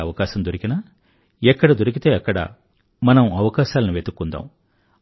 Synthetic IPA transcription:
ɐʋɐkaːʃɐmd̪oɾikina | ɛkːɐɽɐd̪oɾik̬it̪e̞ːɐkːɐɽɐ̰ | mɐnɐmɐʋɐkaːʃaːlɐnuʋet̪ukːund̪a̰ːm

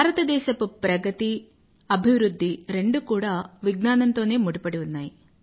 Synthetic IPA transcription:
bʱaːɾɐt̪ɐd̪ɛːʃɐpupɾɐɡɐt̪i | ɐbʱiʋɾud̪ʱːiɾe̞ɳɖukuːɽaːʋiɡnaːnɐnt̪o̞ːne̞ːmuɽipɐɽiunːaːji

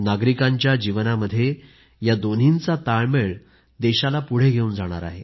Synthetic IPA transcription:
naɡɾikaɲt͡ɕjad͡ʑiʋnaməd̪ʱːje | jad̪on̤int͡sat̪aɭmeɭ | d̪eɕalapuɽ̤eɡʱeuːnd͡zaɽ̃a̰ɾa̰ɦe

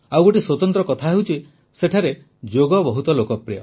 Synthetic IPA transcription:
awɡoʈiswɔt̪ɔnt̪ɾɔkɔt̪ʰaɦeɦut͡ʃʰi | seʈʰaɾe | d͡ʒoɡɔbɔɦut̪ɔlokɔpɾijɔ

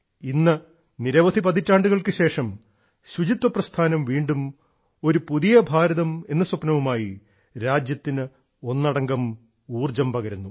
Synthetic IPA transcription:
inːɐ | niɾɐʋɐd̪ʱipɐd̪itːaːɳɖuɣɐɭkɨɕe̞ːʂɐm | ɕut͡ɕit̪wɐprɐst̪ʰaːnɐmʋiːɳɖum | o̞ɾupuðijɐbʱaːɾɐðɐme̞nːɐsupnɐʋumaːji | ɾaːd͡ʑjɐt̪ːinɨ | o̞nːɐɽɐŋɡɐm | uːrd͡ʑɐmpɐɣɐɾunːu

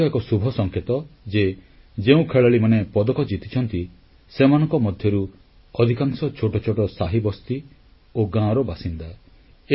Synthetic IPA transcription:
ɔekɔsubʱɔsɔŋkʰet̪ɔd͡ʒe | d͡ʒeũkʰeɭaɭimanepɔd̪ɔkɔd͡ʒit̪i̥t͡ʃʰɔnt̪i | semanɔ̃ŋkɔmɔd̪ʱjɔɾu | ɔd̪ʱikaŋsɔt͡ʃʰoʈɔt͡ʃʰɔʈɔsaɦibɔst̪i | oɡãɔɾɔbasind̪a | e

